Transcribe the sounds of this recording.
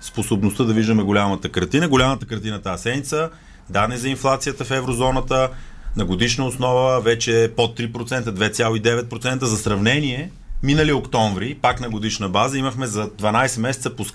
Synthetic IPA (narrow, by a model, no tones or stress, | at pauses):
sposobnost̪əd̪ɐviʒd̪əmɛɡolʲamət̪əkɐɾt̪inəɡolʲamət̪əkəɾt̪inət̪aːsɛd̪nit̪sə | d̪ad̪nɛzɐinflˠat̪sijət̪əfɛvɾozɔnət̪ə | nɐɡod̪iʃnəosnɔvəvɛt͡ʃɛpot̪ːɾipɾot̪sɛnt̪əd̪vɛt̪sʲjalˠoid̪ɛvɛt̪̚pɾot̪sɛnt̪əzɐsɾɐvnɛniɛ | minəliokt̪ɔɱvɾipaknɐɡod̪iʃnəbazəiməxmɛzɐd̪vɐnajsɛmɛsɛt̪səposk